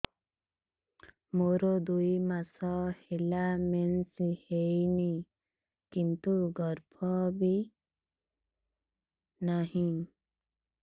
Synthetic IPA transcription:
moɾod̪ujmasɔhelamensihejni | kint̪uɡɔɾpʰɔbi | naɦĩ

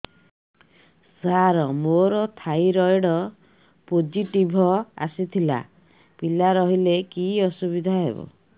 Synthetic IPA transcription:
saɾɔmoɾɔt̪ʰajɾɔjɽɔ | pod͡ʒiʈibʱɔa̰sit̪ʰila̰ | pilaɾɔɦilekiɔsubid̪ʱaɦḛbɔ̰

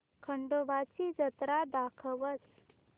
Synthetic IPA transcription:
kʰəɳɖoʋat͡sid͡zət̪ɾad̪akʰəʋət͡s

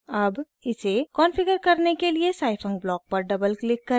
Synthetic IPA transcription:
ɐb | ɪsekɔːnpʰɪɡəɾkɐɾnekeliesaːɪpʰə̃ŋɡ̚blɔːk̚pɐɾɖɐbəlklɪkːɐɾ

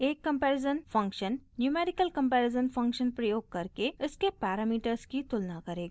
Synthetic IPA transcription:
eːkːɐ̃mpɛːɾɪzənfɐ̃ŋkʃənːjuːmeːɾɪkəlkɐ̃mpɛːɾɪzənfɐ̃ŋkʃənpɾɐjoːɡ̚kɐɾkeɪskepɛːɾaːmiːʈəɾzkit̪ʊlnakɐɾeːɡ

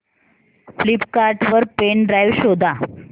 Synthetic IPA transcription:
flipkaɾʈʋəɾpeɳɖɾajʋɕod̪ʱa

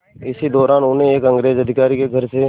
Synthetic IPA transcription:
ɪsid̪ɔːɾaːnʊnẽeːkə̃ŋɡɾeːzəd̪ʱɪkaːɾikeɡʱəɾse

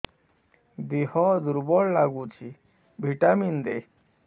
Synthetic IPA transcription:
bihɔd̪uɾbɔɽlaɡut͡ɕʰi | bʱiʈamind̪e

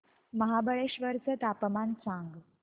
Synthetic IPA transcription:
məɦabəɭeɕʋəɾt͡sət̪apmansãŋɡ

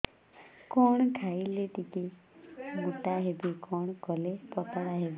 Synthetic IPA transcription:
kɔɽ̃ɔkʰaileʈiki | muʈaɦebikɔɽ̃ɔkɔlepɔt̪ɔɽaɦebi

